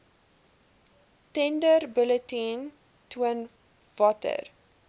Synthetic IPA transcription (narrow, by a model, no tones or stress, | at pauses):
tɛ̃ndərbələtĩn | tʰuən | vɔtə̰r